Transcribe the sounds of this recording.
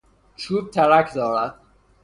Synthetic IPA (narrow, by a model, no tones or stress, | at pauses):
t͡ʃʰuːb̚t̪ʰæɾækʰd̪ɒːɾæd̪̥